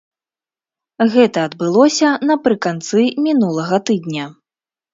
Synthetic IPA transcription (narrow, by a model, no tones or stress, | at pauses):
ɣɛt̪ɐːd̪bɨlˠɔsʲɐnɐpɾɨkant̪sɨmʲinulˠɐɣɐt̪ɨd̪̚ʲnʲɐ